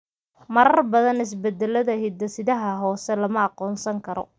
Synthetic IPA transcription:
mɐɾɐrbɐðɐnɪs̬bɛd̪ɛlɐðɐɦɪd̪ɐsɪðɐɦɐɦɔːsɛlɐmɐɑqɔːnsɐŋkʰɐɾɔ̰

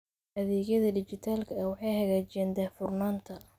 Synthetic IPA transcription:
ʔɐðɛːɣjɐðɐdɪt͡ʃɪt̪ʰaːlkʰɐɐwɑħɑjhɐɣaːt͡ʃɛːnd̪ɛfʊrnaːnt̪ʰɐ

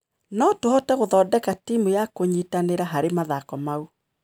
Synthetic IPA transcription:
nɔtohɔtɛɣoðɔdɛkatimujakoɲitaneɾaɦaɾemaðakɔmau

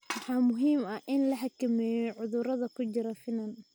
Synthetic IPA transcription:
mɑħɑːmʊɦiːmɐhʔɪnlɐħakʰɐmɛːjɔʕʊðʊɾɐðɐkʰʊt͡ʃɪɾɐfɪnɐn

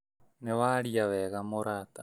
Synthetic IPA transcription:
neβaɾiaβeɣamoɾat̪a

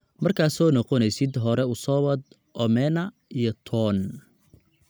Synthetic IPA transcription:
mɐrkʰaːsɔːnɔqɔnɛjsɪd̪ɦɔɾɛʊsɔwɐd̪ | ʔɔmɛːnɐ | ijɔt̪ʰɔːn

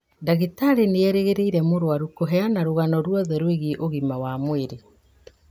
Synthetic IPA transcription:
daɣitaɾeneɛɾeɣeɾeiɾɛmoɾwaɾukoɦɛanaɾoɣanɔɾwɔðɛɾweɣiʔoɣimawamweɾe

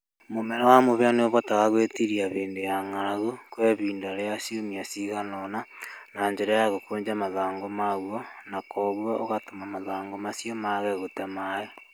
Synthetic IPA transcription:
momɛɾawamoβeaneoβotaɣaɣwetiɾiaβeːndejaŋaɣukweβiːndaɾeasiomiasiɣanɔnanaɲd͡ʒeɾajaɣokoːɲd͡ʒamaðaːŋɡomaɣwonakʰoɣwaoɣatomamaðaːŋɡomasiomaɣɛɣotamae

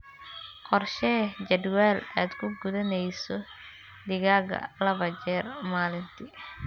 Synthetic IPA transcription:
qɔrʃɛːd͡ʒɐd̪wɛːlaːd̪kʰʊɡʊðɐnɛjsɔ | d̪ɪɣaːɣɐ̰lɐβɐd͡ʒɛːrmaːlɪnt̪ʰɪ

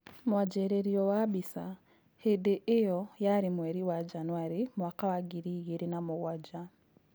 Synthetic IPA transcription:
mwad͡ʒeɾeɾijowabisa | hedeʔejojaɾimweɾiwad͡ʒanwaɾimwakawaɡiɾiɣiɾinamuɣwaɟa

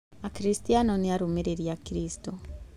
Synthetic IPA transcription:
akiɾistianɔneaɾomeɾeɾjakiɾistɔ

